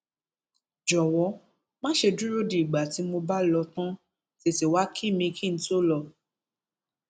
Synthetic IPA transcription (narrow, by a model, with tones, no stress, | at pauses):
d͡ʒɔ˨wɔ˨˧˦ | mãː˦ʃe˧du˦ɾo˦di˨ɡ͡ba˨ti˨˦mo˧ba˦lɔ˧tã˦ | te˨si˨wa˨˦kʰi˦˨mĩ˧kʰĩ˦˨n̩˦to˦lɔ˧˨